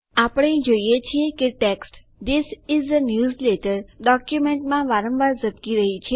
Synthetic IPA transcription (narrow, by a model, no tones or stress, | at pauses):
apɽ̃ẽd͡ʒoijet͡ʃʰiekeʈeksʈ | d̪ɪsɪzənjuːzleʈəɾɖɔkjumẽɳʈmãʋaɾə̃mʋaɾzəp̚kiɾəɦit͡ʃʰe